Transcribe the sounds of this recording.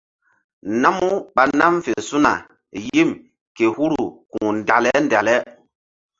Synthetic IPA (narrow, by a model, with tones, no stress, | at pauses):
na˦mu˦ɓa˨na˦mfe˨su˦na˨ | ji˦m | ke˨hu˦ɾu˨ku˨n˨da˨lɛ˦nda˨lɛ˦